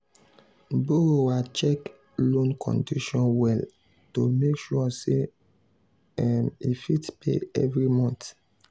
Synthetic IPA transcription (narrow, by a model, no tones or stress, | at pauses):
boɾowat͡ʃɛk | lõnkʰɔ̰̃ndiʃɔ̃nwɛl | tomekʃuase | ɛmifitpḛɛvɾimɔ̃nt